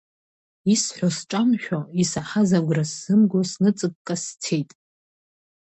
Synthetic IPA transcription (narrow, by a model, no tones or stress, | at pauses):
isħʷᶣosʈ͡ʂʼamʃᶣoisaħazaɡʷrasːɨmɡosnɨt͡sʼɨk̚ʼkʼastʰe̞jtʼ